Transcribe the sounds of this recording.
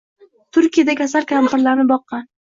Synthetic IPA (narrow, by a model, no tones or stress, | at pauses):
t̪ʰʊɾkʲijad̪akʲʰas̬alkʲʰamtɪɾlaɾnɪbɒqːɑn